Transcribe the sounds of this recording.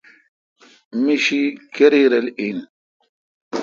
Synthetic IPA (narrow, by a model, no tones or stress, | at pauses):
miʃikeɾiɾɐlin